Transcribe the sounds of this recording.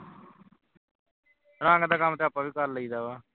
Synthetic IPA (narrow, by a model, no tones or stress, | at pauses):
ɾãːŋɡd̪aːkamt̪eːəpːãːʋiːkəlːəiːd̪aːβaː